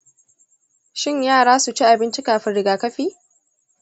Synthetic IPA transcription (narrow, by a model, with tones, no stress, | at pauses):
ʃɪ˦˨ɲjaː˦˨ɽaː˦su˨t͡ʃi˦ʔa˨bɪ˦nt͡ʃi˦kaː˨ɸɪ˦nɽɪ˨ɡaː˨kɐ˦ɸiː˦